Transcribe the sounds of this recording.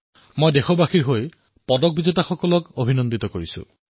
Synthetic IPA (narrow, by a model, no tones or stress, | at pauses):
mojdexɔbaxiɹɦoj | pɔdɔk̚bizetaxɔkɔlɔkobʱinɔndit̪ɔkoɹisṵ̃